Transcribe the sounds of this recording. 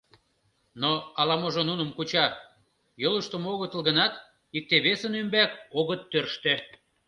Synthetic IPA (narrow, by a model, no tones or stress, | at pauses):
noɑlɑmoʒonunə̆mkut͡ɕɑ | joləʃt̪ŏmoɣət̪ə̆lˠɣənɑt̪ | ik̚t̪eβesənømbækoɣət̪ːørʃt̪ĕ